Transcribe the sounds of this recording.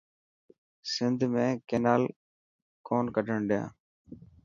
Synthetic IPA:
sɪnd̪ʱmẽːkeːnaːl | koːnkəʈəɳɗɪjã̰ː

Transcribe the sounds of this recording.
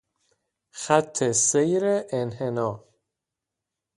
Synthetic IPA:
xæt̪ʰːesejɾeʔenhenɒː

